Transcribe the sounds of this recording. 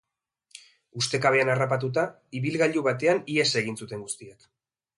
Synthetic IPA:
ust̪e̞kaβ̞e̞anarapat̪̬ut̪̬a | iβilɣaʎuβat̪̬e̞aniese̞ɣ̞insut̪e̞ŋɡust̪iak

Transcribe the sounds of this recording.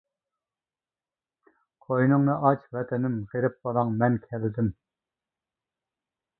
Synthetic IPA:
qʰojnɨŋnɨʔɑt͡ʃvɛt̪ʰɪnɪmʁeɾɪp̚bɑlˠɑŋmɛnkʲʰɛlɪd̪ɪm

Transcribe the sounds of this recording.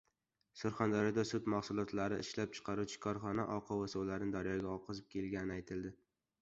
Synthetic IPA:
soɾχand̪aɾɒd̪asʊt̪maχsʊlˠɒt̪laɾɪʔɪ̰ʃlap̚t͡ʃʰɨ̥qʰɑɾuwt͡ʃʰɪ̥kʰɒɾχɒnaʔɒqʰɒwasowlaɾɪnɪd̪aɾjɒɡʲaɒqʰɨzɪp̚kʲʰelɡʲanɪajt̪ʰɪld̪ɪ

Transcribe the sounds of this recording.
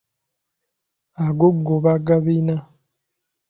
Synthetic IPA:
aɡoɡːoβaɡaβina

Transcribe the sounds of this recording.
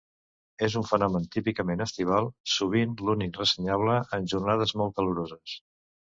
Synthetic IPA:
ezuɱfənɔmənt̪ipikəmenəst̪iβ̞alˠsuβ̞inlunik̚rəsəɲaβ̞ləʔənʲʒurnað̞əzmɔlˠt̪kəluɾozəs

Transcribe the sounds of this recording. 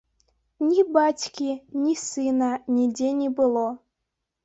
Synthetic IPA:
nʲibatʲkʲinʲisɨnanʲidʲenʲibɨlˠo

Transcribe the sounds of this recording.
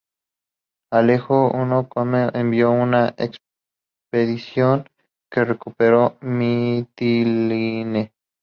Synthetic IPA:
alexounokomeembjounaʔḛks | peðisjoŋ | kerekupeɾomit̪iline

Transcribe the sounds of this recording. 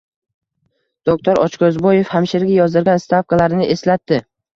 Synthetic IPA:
d̪̥ok̚t̪ʰoɾɒt͡ʃkʰɒzbɒje̞fhamʃeɾɡʲajɒzd̪ɪɾɡʲanst̪ʰafkalaɾɪnɪʔe̞slat̪ːɪ

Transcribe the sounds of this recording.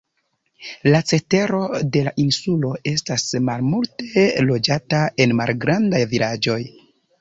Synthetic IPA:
lat͡se̞te̞ɾo̞de̞laʔinsulo̞e̞stasmalmultelo̞d͡ʒatae̞nma̰lɡɾandajvilad͡ʒo̞j

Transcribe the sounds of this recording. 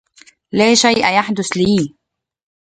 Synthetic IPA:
læːʃajʔjaħd̪ʊsliː

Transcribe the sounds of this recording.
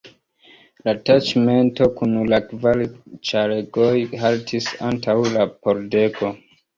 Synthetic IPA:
latat͡ʃme̞nto̞kunlakvalt͡ʃaɾeɡo̞jhaltʰisa̰ntʰawlapo̞ɾde̞ko̞

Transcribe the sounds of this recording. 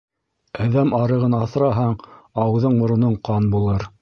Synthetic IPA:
æðæmɑɾɤ̆ʁɤnɑθ̆ɾɑɦɑɴɑwðɤɴmŏɾŏnɤɴqɑnbulˠɤɾ

